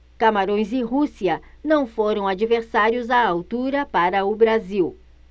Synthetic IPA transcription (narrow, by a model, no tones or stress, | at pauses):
kamaɾõj̃zɪɦusiɐnɐ̃w̃foɾɐ̃w̃ad͡ʒiveɾsaɾjʊzaawt̪uɾɐpaɾɐʊbɾaziw